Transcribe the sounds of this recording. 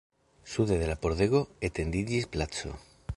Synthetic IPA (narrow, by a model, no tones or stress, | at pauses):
suðeð̞elapoɾðeɣoet̪end̪iʎisplat͡so̰